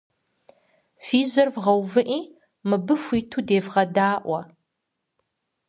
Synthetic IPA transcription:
fiːzɐrvʁɐwvɨʔiː | mɨbɨfʷiːtʰuːdeːvʁɐdaːʔʷɐ

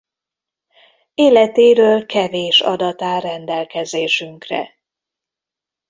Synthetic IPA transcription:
eːlɛt̪eːɾøːlkɛveːʃɒ̰d̪ɒt̪aːɾɛnd̪ɛlkɛzeːʃyŋkrɛ̰

